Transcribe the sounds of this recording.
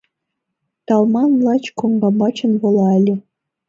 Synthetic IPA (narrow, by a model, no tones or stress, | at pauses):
t̪ɑlˠmɑnlˠɑt͡ɕkoŋɡɑmɑt͡ɕɤ̆nvɤ̆lˠɑɘ̆lʲɘ̆